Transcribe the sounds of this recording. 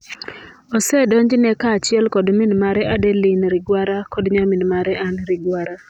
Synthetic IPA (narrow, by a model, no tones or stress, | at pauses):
osɛdɔɲd͡ʒnɛkat͡ʃɪɛlkɔdmɪnmaɾɛʔadɛlɪnɾɪɡwaɾakɔdɲamɪnmaɾɛʔanɾɪɡwaɾa